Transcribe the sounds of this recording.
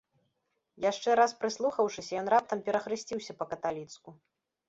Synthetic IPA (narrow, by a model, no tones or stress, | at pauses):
jaʂt͡ʂɛɾaspɾɨslˠuxɐwʂɨsʲɐjɔnɾap̚t̪ɐmpʲɛɾɐxɾɨsʲt͡sʲiwsʲɐpɐkɐt̪alʲit̪sku